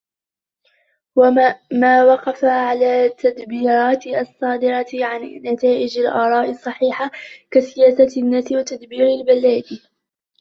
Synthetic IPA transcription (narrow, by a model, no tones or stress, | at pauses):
wmaːwɑqɑfaʕalaːt̪ːad̪biːɾˤɑːt̪sˤːɑːd̪ɪɾɑʕannat̪aːʔɪd͡ʒalʔɑːɾˤɑːʔɪsˤːɑħiːħakasɪjaːsanːaːsɪwat̪ad̪biːɾɪlbalːaːd̪